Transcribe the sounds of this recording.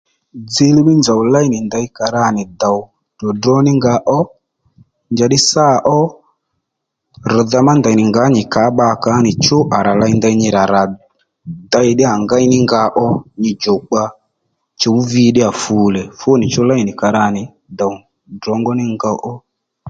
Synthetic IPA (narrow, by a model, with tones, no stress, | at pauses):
d͡zi˦li˦ɓi˦nd͡ʒa˨u˨la˦i˨ni˨nda˧i˦ka˨ɾa˦˨ni˨da˨u˨ | dɔ˨dɔ˦ni˦ŋɡa˨ʔɔ˦ | nd͡ʒa˧ɗi˦sa˦ʔɔ˦ | ɾɔ˨ða˧ma˦nda˨i˨nɪ˨ŋɡa˨˦ɲi˨ka˨˦ɓa˦˨ka˨˦ni˨t͡ʃɔ˦ʔa˨ɾa˨la˧i˦nda˧i˦ɲi˧ɾa˨ɾa˨ | da˧˦i˧ɗi˦a˨ŋɡa˦i˦ni˦ŋɡa˨˦ʔɔ˦ɲi˨d͡ʒɔ˨k͡pa˧ | t͡ʃɔ˨u˦vi˧˦ɗi˦a˨fu˨˦lɛ˨fo˦ni˨t͡ʃɔ˦la˦i˨ni˨ka˨ɾa˦˨nɪ˨ | d̪a˨u˨ | drɔ˨˦ŋɡɔ˦ni˦ŋɡa˧ʔɔ˦